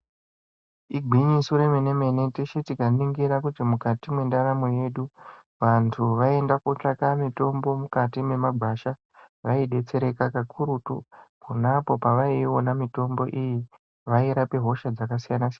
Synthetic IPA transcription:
iɡʱiɲisuɾemene̞me̞ne̞tiʃitikaniŋɡiɾakutimukatimwe̞ndaɾamoje̞ɗu | ʋantʰuʋae̞ndakut͡ʂakamito̞mbo̞mukatime̞maɡʱaʃa | ʋaiɗe̞t͡se̞ɾe̞kakakʰuɾutṵpunapo̞paʋaionamito̞mbo̞ʔiji | ʋaiɾape̞ɦo̞ʃad͡zakasijanasian

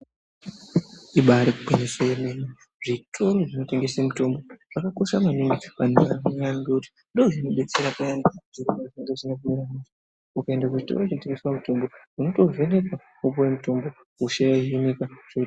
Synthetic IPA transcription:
iɓaɾiku̥penesounene | ʐ̥itʰo̞ɾoʐino̞te̞ŋɡe̞semuto̞mbo̞ʐ̥akako̞ʃamanimiʋan̤uʋanojanɡeuti̥ | ndoʐino̞ɓe̞t͡seɾakuandaʐ̥iɾimaineŋɡeʐinakumiɾanad͡ʒa | ukaendakuʐito̰ɾoʐinote̞ŋɡeswamuto̞mbo | uno̞to̞ve̞ne̞ka | upowemuto̞mbo̞ | uʃaaɦimikaʐ̥o

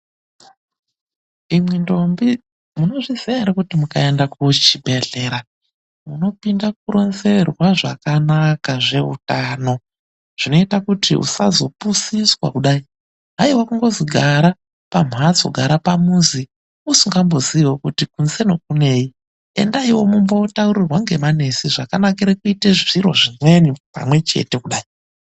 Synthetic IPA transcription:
imwendo̞mbi | muno̞ʐizeɾakutimukae̞ndakut͡ʃibʱe̞ɮe̞ɾa | muno̞pindak̚uɾo̞nze̞rwaʐa̰kanakaʐe̞ṵtano̞ | ʐ̥ino̞itakutḭʔṵsazo̞pusiswa̰kuɗai | ɦaiwakuŋɡo̞ziɡʱaɾa | pam̤ad͡zo̰ɡʱaɾapamuzi | usuŋɡambo̞ziiwokutikunze̞no̞k̚une̞i | e̞̰ndaiwo̞mumbawutauɾirwaŋɡe̞mane̞siʐakanakeɾekuiteʐiɾo̞̰ʐimwe̞nipa̰mwe̞t͡ʃe̞̰te̞kuɗaːi

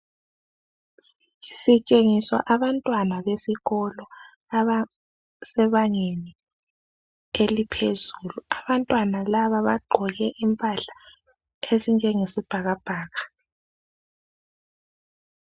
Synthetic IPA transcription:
sit͡ʃʼeŋiswa̰ʔaβantʼwanaβesiɣɔlɔ | aβa | sɛβaŋeni | elipʰezuluaβantʼwanalaβaβaɡ͡ǃʱɔɣɛʔimpʼaɬḁ | ezind͡ʒʱɛŋesib̥ʱaɣab̥ʱaːɣa

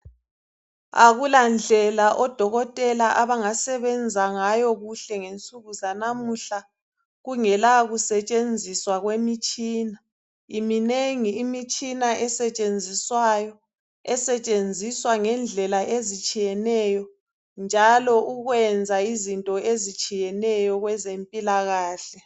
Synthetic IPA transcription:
a̰ɣuland͡ɮʱɛlaʔɔd̥ʱɔɣɔtʼɛlaʔaβaŋasɛβɛnd͡zʱaŋajɔɣuɬɛŋent͡sʼuɣuzanamuɬa | ɣuŋɛlaɣusɛt͡ʃʼend͡zʱiswaɣwemit͡ʃʼiːna | imineŋiːmit͡ʃʼinaʔɛsɛt͡ʃʼend͡zʱiswajɔ | ɛsɛt͡ʃʼend͡zʱiswaŋɛnd͡ɮʱɛlaʔezit͡ʃʼijɛnɛjɔ | nd͡ʒʱalɔʔuɣwɛnd͡zʱaizintʼɔezit͡ʃʼijɛnɛjɔɣwɛzempʼilaɣaːɬɛ

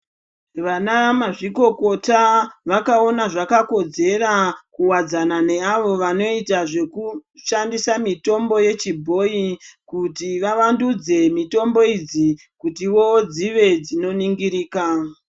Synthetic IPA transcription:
ʋanaʋamaʐiko̞ko̞taʋakao̞naʐakako̞d͡ze̞rakuwad͡zanane̞aʋo̞ʋano̞itaʐe̞kuʃandisamito̞mbo̞je̞t͡ʃibʱo̞ikutiʋaʋandud͡ze̞mito̞mbo̞id͡zi | kutiwo̞d͡ziʋe̞d͡zino̞niŋɡiɾiːka

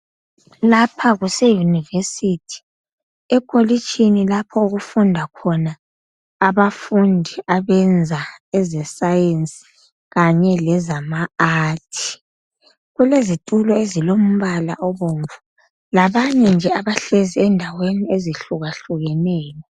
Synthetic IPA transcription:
lapʰaɣusejunivesitʰi̥ | ɛkʼolit͡ʃʰʼinilapʰɔuɣufundʱakʰɔnaː | βafundʱiʔaβɛnd͡zʱaɛzɛsajensʼi̥ | ɣaɲɛlɛzamaaːtʰi̥ | ɣulezitʼulɔezilom̩βala̰ʔɔβoɱvu | laβaɲɛnd͡ʒʱɛaβaɬeziɛndʱawenieziɬuɣaɬuɣɛnɛːjɔ

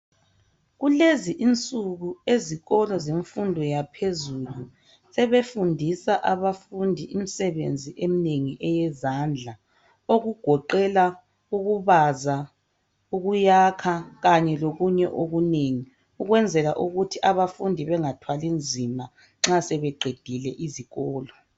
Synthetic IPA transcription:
ɣuleziʔint͡sʼuɣueziɣɔlɔzeɱfundʱɔjapʰezulu | sɛβefundʱisaʔaβafundʱiʔimisɛβḛnd͡zʱiʔemineŋiʔɛjɛzand͡ɮʱa | oɣuɡ̥ʱɔǃɛla | uɣuβaza | uɣujakʰaɣaɲɛloɣuɲɛʔoɣuneŋi | uɣwɛnd͡zʱɛlaʔuɣutʰiʔaβafundʱiβɛŋatʰwalind͡zʱima | ŋ͡ǁasɛβɛɡ͡ǃʱed̥ʱilɛʔiziɣɔːlɔ

